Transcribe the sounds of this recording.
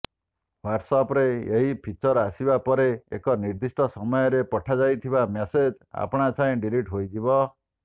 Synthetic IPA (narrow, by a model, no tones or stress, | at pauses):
waʈsɔpɾeeɦipʰit͡ʃɔɾasibapɔɾeḛkɔniɾd̪isʈɔsɔmɔjɔɾepɔʈʰad͡ʒajt̪ʰibamesed͡ʒ | a̰pɔɽ̃at͡ʃʰãĩɖiɾiʈɦojd͡ʒ̪ibɔ